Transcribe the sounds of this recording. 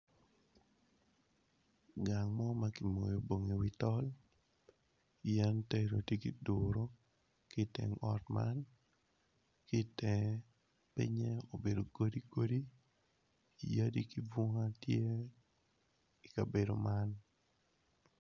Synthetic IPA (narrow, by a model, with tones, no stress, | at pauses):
ɡa˨ŋmɔ˦ma˦ki˨mo˨jo˨bo˨ŋe˨wi˦tɔ˦l | ijɛ˦nte˦ɾo˨tje˦ki˨dʊɾo˦ | kɪ˦tɛ̰˨ŋɔ˦tma̰n | kɪ˦tɛ˨ | pḭ˦ɲɛ˦o˨be˨do˨ko˦di˦ko˦di˦ | i˨ja˦di˦ki˦bo˦ŋa˦tje˦ | i˨ka˨be˨do˨man